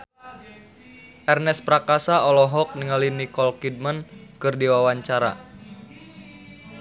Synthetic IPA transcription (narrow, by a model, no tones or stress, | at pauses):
ʔɛrnɛspɾakasaɔlɔɦɔk̚niŋalinikɔlkid̚mankɨrdiwawaɲt͡ʃaɾa̰